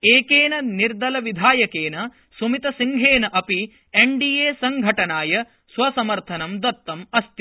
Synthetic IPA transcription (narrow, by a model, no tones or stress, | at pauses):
eːkeːnɐniɾd̪ɐlɐʋid̪ʱaːjɐkeːnɐ | sumit̪ɐsiŋɡʱeːnɐʔɐpi | eɳɖiːeːsɐŋɡʱɐʈɐnaːjɐ | sʋɐsɐmɐɾt̪ʰɐnɐmd̪ɐt̪ːɐmɐst̪i